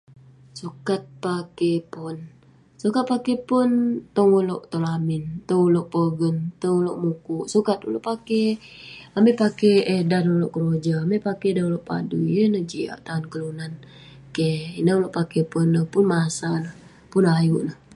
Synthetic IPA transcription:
sukat̪̚pakepʊn | sukat̪̚pakepʊnt̪oŋulo̰ʔt̪olamɪnt̪əuloʔpəɡənt̪əŋuloʔmukuʔsukat̪ṵloʔpake | amepakeedanuloʔkəɾod͡ʒaːmepakedanuloʔpa̰dujənəhd͡ʒia̰ʔt̪aʊnkəlunan | keinauloʔpakepunːəhpʊnmasanəh | punajuʔnəh

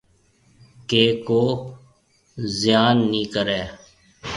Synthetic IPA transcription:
keːkoː | zɪjaːnːĩːkəɾɛː

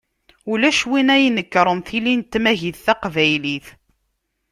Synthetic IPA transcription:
ulæʃwinæjnəkːɾˤənθilint̪ːmæʝiθθæqvæjliθ

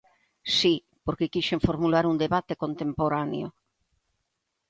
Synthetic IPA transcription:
si | poɾkekiʃeɱfoɾmulaɾund̪eβat̪ekont̪empoɾanḛo

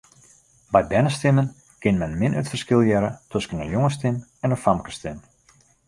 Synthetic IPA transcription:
bɛjbɛnəstɪmən | kɪnmɛnmɪnøtfərskɪlˠjɛɾətʰøskənəjʊŋəstɪnɛndəfamkə̥stɪn

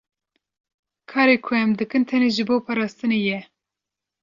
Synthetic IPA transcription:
kʰɑːɾeːkʰʊɛmd̪ɨkɨnt̪ʰɛneːʒɨboːpʰɑɾɑːst̪ɨneːjɛ

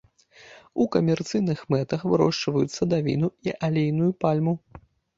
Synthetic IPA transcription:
ukɐmʲɛrt̪sɨjnɨxmɛt̪ɐxvɨɾɔ̰ʂt͡ʂvɐjut̪sːɐd̪avʲḭnuiʔalʲejnujupalʲmu

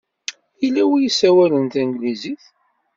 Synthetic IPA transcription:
ilːæwijəsːæwælənt̪æŋɡliziθ

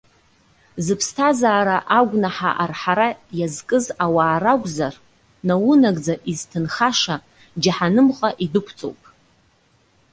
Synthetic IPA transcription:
zɨpʰstʰazaːɾaʔaɡʷnaħa̰ʔarħaɾajazkʼɨzawaːɾaɡʷʼzar | nawʊnaɡʼd͡zaʔiztʰɨnχaʂa | d͡ʒaħanɨmχʼaʔidɨkʷʰt͡sʼo̰wpʼ

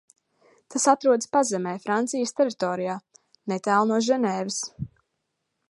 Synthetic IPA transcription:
t̪asat̪ɾuɔd̪spazɛmɛːjfɾant̪sijəst̪ɛɾit̪ɔːɾijaː | nɛt̪æːlˠnuɔʒɛnɛːvɪs

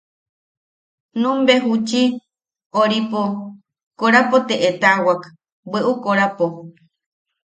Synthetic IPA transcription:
nũmbeɦut͡ʃi | oɾipo | koɾapot̪eʔet̪awak | beʔukoɾapo

